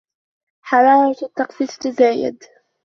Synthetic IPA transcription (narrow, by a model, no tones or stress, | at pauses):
ħɑɾˤɑːɾˤɑt̪ːɑqsiːt̪t̪azaːjɪ̰d̪